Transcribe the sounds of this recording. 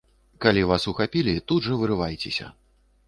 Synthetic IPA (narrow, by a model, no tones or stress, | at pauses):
kalʲivasuxapʲilʲit̪ud̪ʐɐvɨɾɨvajt͡sʲesʲɐ̰